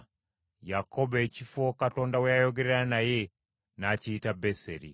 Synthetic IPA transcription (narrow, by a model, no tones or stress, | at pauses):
jakobecifokato̞ːndawejajoɡeɾeɾanaje̞ | naciːtabeseɾḭ